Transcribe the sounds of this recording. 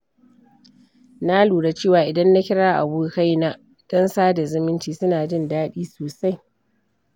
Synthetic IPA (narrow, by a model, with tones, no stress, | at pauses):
na˦luː˨ɽa˨t͡ʃeː˦˨waː˨ʔɪ˨dɐ˦nːa˦kʲɪ˦ɽaː˦ʔa̰˨buː˦ka˦jna˦ | d̥ɔ˦nsaː˦da˨zɪ˦mɪ˦nt͡ʃiː˨sʊ˦naː˨d͡ʒɪ˦ndaː˦ɗiː˦soː˨sa˦j